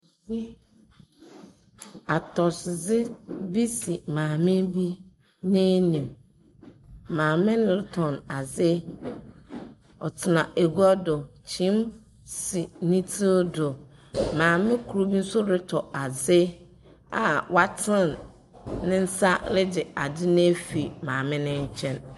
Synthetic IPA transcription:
bi˦ | a˨tʰɔ˨szɪ˦bi˦sɪ˨mãː˨mɪ̃˦bi˦ | nẽ˦nĩ˨m | mãː˨mɪ̃˦nɪ˦˨ltʰɔ̃˨na˨zɪ˦ | ɔ˨tʰɪ˨nã˨ʔe˨ɡu˦a˦dʊ˨t͡ɕʰĩ˦m | sɪ˨nĩ˦tʰi˦ldʊ˨mãː˨mɪ̃˦kʰu˨ɾu˦bi˦n̩˦sʊ˦ɾɪ˦tʰɔ˨a˨zɪ˦ | a̰˨wa˦tʰɪ̃˦n | nɪ̃˦n̩˦sa˦lɪ˦d͡ʑɪ˨a˨dɪ˦nẽ˦fi˨mãː˨mɪ̃˦nɪ̃˦ɲ̩˦t͡ɕʰɛ̃˦n

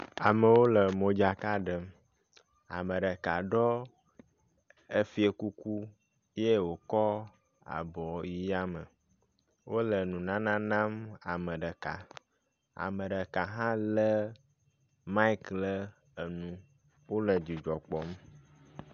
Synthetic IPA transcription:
a˨mə˨wo˦lə˨mo˨d͡ʒa˨ka˦ɖə˨m | a̰˨mə˨ɖə˨ka˨ɖɔ˦ | e˦fi˦e˨ku˦ku˦ | je˦wo˨kɔ˦ | a̰˨bɔ˨ji˨ja˦mə˨ | wʔo˦lə˨nũ˨nã˦nã˦nã˦ma˨mə̃˨ɖə˨ka˨ | a̰˨mə˨ɖə˨ka˨ɦã˦lə˦ | ma˦i˦klə˦ | ə˨nũ˨ | wo˦lə˨d͡ʒi˨d͡ʒɔ˨k͡pɔ˨m˦

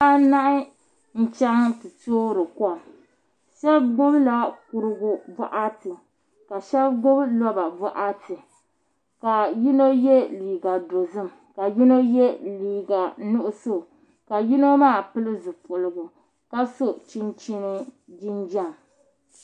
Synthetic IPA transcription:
a˦na˦ʔɪ˦ | n̩˦t͡ʃɛ˦ŋtɨ˨toː˦ɾɨ˨kɔ˦˨m | ʃɛ˦bɡʊ˦bla˦ku˨ɾɨ˦ɡʊ˦vɔ̰˦ʔa˦tɨ˨ | ka˨ʃɛ˦bɡʊ˦blɔ˦ba˨vɔ˦ʔa˦tɨ˨ | ka˨ji˦no˦jɛ˦liː˨ɡa˨do˨zɨ˦˨m | ka˨ji˦no˦jɛ˦liː˨ɡa˨nʊ˦ʔʊ˦so˦ | ka˨ji˦no˦maː˦˨pɨ˦lɨ˦zɨ˨pʊ˨lɨ˨ɡʊ˨ | ka˦so˦t͡ʃi˦nt͡ʃi˦nɨ˦ | d͡ʒi˦nd͡ʒa˦˨m

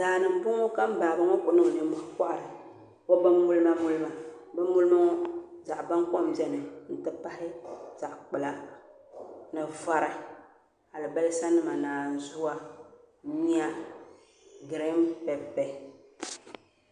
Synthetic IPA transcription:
daː˨nɨ˨m̩˨bʊ˦ŋo˦ka˦m˦ba˨bɨ˦ŋo˦k͡pʊ˨nɨ˦ŋ˨nɨ˨mo˦hk͡pa˦ʔa˨ɾɨ˨ | ko˦ba˦mːu˦lɨ˦ma˦mu˦lɨ˦ma˨bɛ˦mu˦lɨ˦ma˦ŋo˦za˨ʔba˦ŋkɔ˦m˨bɛ˦nɨ˨n̩˨tɨ˨pa˦hɪ˦za˨ʔk͡pɨ˨la˨ | nɨ˨va˨ɾa˨ | a˨lɨ˨bɛ˦lɨ˦sa˦nɨ˦ma˨naː˨zu˦wa˦ | ɲi˦a˦ | ɡɨ˨ɾe˦mpɛ˨pɛ˨˦

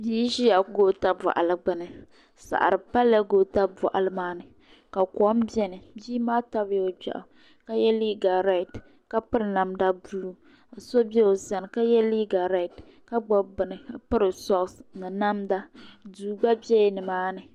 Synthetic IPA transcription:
biː˦ʃi˦a˨ɡo˦ta˦bɔ̰˨ʔa̰˨lɨ˨ɡ͡bɨ˨nɨ˨ | sa̰˨ʔa̰˨ɾɨ˨pa˦lːa˦ɡoː˦ta˦bɔ̰˨ʔa˨lɨ˦maː˦nɨ˨ | ka˨kɔ˨˦m˦bɛ˦nɨ˨biː˦maː˦ta˦bo˨bɛ̰˨ʔʊ̰˨ | ka˦jɛ˦li˦ɡa˨ɾa˦˨t | ka˦pɨ˦ɾɨ˨na˨mda˦bu˨lu˦˨ | so˦bɛ˦o˨za˨n˨ka˦jɛ˦li˦ɡa˨ɾa˨t | ka˦ɡ͡bɔ˦bɨ˨nɨ˨˦pɨ˦ɾɨ˨sɔ˦˨snɨ˨na˦mda˦duː˨ɡ͡ba˦bɛ˦˨nɨ˨maː˦nɨ˨

